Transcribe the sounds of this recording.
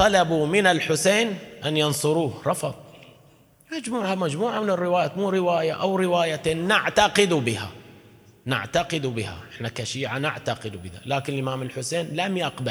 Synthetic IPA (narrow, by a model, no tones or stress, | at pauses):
t̪ˤɑlabumɪnalħʊseːnʔanjɑnsˤʊɾuːhɾˤɑfɑðˤ | mad͡ʒmuːʕamad͡ʒmuːʕamɪnɪrːɪwaːjamuːɾɪwaːjaʔawɾɪwaːjat̪enːɪʕt̪aqɪd̪ubɪha̰ | nɪ̰ʕt̪aqɪd̪ubɪha̰ʔɪħnakaʃiːʕanɪʕt̪aqɪd̪ubɪða̰laːkɪnɪlʔɪmaːmɪlħʊseːnlamjaqba